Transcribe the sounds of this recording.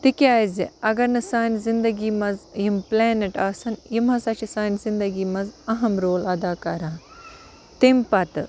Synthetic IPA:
t̪ikjaːzeɐɡɐɾnɨsaːnzind̪ɐɡiːmɐzjimplɛːnɐʈaːsɐnjimɦɐsɐt͡ʃʰisaːnzind̪ɐɡiːmɐzɐɦɐmɾoːlɐd̪aːkɐɾaː | t̪empɐt̪ɨ

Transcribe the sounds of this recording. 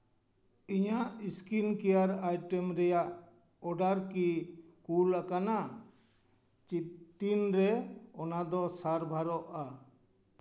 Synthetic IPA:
iɲaʔiskinkɛjaɾajʈɛmɾɛjaʔ | ɔɖaɾkikulakana | t͡ʃit̪inɾɛɔnad̪ɔsaɾbʱaɾɔʔa

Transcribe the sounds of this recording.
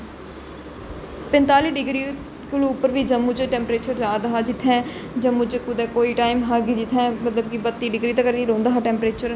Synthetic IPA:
pɪ̃nt̪aːliːɖɪɡɾiː | kʊluːʊpːəɾʋiːd͡ʒəmːut͡ʃəʈɛ̃ːmpɾeːt͡ʃəɾd͡ʒaːd̪aɦaːd͡ʒɪt̪ʰːɛ̃ːd͡ʒəmːʊt͡ʃəkʊd̪ɛ̃ːkoːiːʈaːimɦaːɡid͡ʒɪt̪ʰːɛ̃ːmət̪ləb̚kibət̪ːiːɖɪɡɾiːt̪akəɾiːɾõːnd̪aːɦaːʈɛ̃ːmpɾeːt͡ʃəɾ

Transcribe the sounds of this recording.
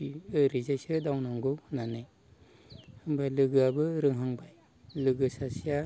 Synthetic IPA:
iɯɾizajsɯdawnaŋɡɯwhnanɯj | hɯŋbajlɯɡɯabɯɾɯŋɦɯŋbaj | lɯɡɯsasija

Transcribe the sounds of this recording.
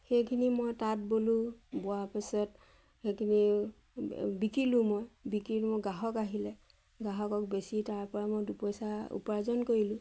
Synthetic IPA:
xejkʰinimojtat̚bolũbɔapasɔt | xekʰini | bikɹilʊ̃mojbikilmoɡaɦɔkaɦilɛ | ɡaɦɔkɔk̚besitaɹpɔɹamojdupɔjsaṵpɔɹazɔnkoɹilʊ̃

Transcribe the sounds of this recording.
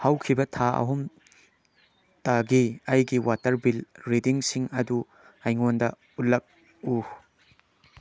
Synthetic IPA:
hɐwkʰibɐtʰaɐ̰ɦum | taɡiɐjɡiwʔatɐɾbilɾidiŋsiŋɐdu | ajŋondɐ | ut̚lːɐk̚ | u

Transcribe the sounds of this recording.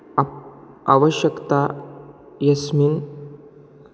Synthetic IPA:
aʋəɕjəkt̪a | jɐsmiːn

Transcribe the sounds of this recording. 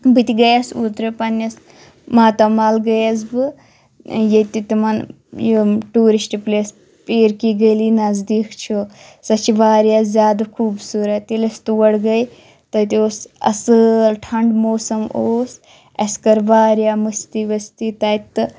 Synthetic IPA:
bɨt̪iɡɐjɐsut̪ɾɨpɐnːɐs | maːt̪ɐmaːlɡɐjɐs̬bɨ | jet̪it̪imɐn | joʈuːɾisʈpleːs | peːɾkiɡɐjlinɐzd̪iːkʰt͡ʃʰusɐt͡ʃʰiʋaːɾjazʲjaːd̪ɐkʰuːbsuɾɐt̪ilɐst̪uʋɐɽɡɐj | t̪ɐt̪oːsɐ̰sɨlʈʰɐɳɖmoːsɐmoːs | ɐ̰skɐɾʋaːɾjamɨst̪iʋɐst̪it̪ɐt̪ːɨ

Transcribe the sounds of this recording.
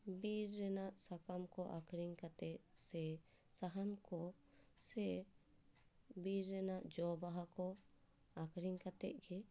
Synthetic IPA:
biɾːɛnaʔsakamkɔʔakɾiŋkat̪ɛʔ̚sɛ | saɦamkɔ | sɛ | biɾːɛnaʔd͡ʒɔbaɦakɔ | akɾiŋkat̪ɛ̰ʔ̚ɡɛ

